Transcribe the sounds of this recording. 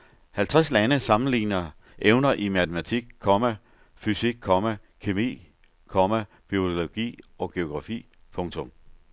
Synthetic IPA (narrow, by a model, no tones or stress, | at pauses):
hælt͡sʰʁaslænəsɑ̈mn̩lḭːnɐ | ʔeʊnɐʔimæt͡sʰəmæt͡sʰiɡ̥̚kʰːɒmæ | fysiɡ̥̚kʰɒmæ | kʰimḭː | kʰɒmæ | b̥io̝loɡ̥ḭːɒ̽ɡ̥e̝o̝ɡ̥ʁɑ̈fḭː | pʰɔ̽ŋt͡sʰɔ̽m